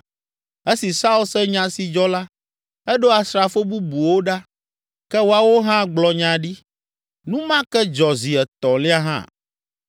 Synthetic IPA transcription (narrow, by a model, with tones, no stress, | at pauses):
e˦si˨sa˦u˦lsɛ˦ɲã˨si˨d͡ʒɔ˦la˦ | ɛ˦ɖo˦a˨sɾa˨fo˦bu˦bu˨wo˦ɖa˦ | kɛ˦wo˨˦a˨wo˦ɦã˦ɡ͡blɔ˨ɲã˨ɖi˦ | nũ˦mã˦kɛ˦d͡ʒɔ˨zi˨ɛ˨t̪ɔ̃˨li˦a˦ɦã̰˦˨